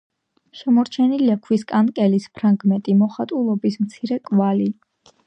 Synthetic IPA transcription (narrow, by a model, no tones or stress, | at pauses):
ʃɛmɔɾt͡ʃʰɛniliakʰwiskʼankʼɛlispʰɾaŋɡmɛnt̪ʼimɔχat̪ʼulˠɔbismt̪sʰiɾɛkʼvali